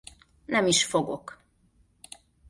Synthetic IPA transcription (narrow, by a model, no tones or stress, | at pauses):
nɛmiʃfo̞ɡo̞k